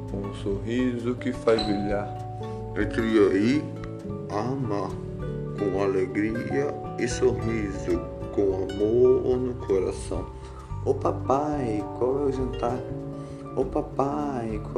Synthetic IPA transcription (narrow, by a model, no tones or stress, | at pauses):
kõũsoɦizʊkɪfajbɾiʎaɾ | ẽt̪ɾiɐi | ama | kõw̃aleɡɾiɐ | ɪsoɦizʊ | kõw̃amoɾonʊkʰoɾa̰sɐ̰̃w̃ | ʊpapajkwawɛʊʒɐ̃nt̪aɾʊ | opapajk